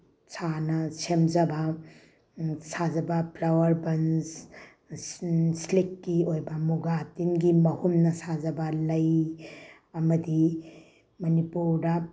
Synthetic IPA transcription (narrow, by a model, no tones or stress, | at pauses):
sʰanɐsemd͡ʒɐba | sazɐbɐpʰlawɐɾbɐns | slekːiojbɐmuɡatinɡimɐhumnɐsazɐbɐlɐj | ɐmɐdi | mɐnipuɾdɐ